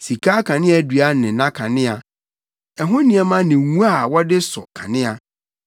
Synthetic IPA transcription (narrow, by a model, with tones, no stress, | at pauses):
si˨kʰaː˦kʰã˨nɪ̃˦a˨˦dɥa˦nɪ̃˨˦nã˦kʰã˨nɪ̃˦a˨ | ɛ˨ɦʊ̃˦nĩ˨ɛ˨mã˦nɪ̃˨wũ˦a˦˨wɔ˦dɪ˦sɔ̰˨kʰã˨nɪ̃˦a˨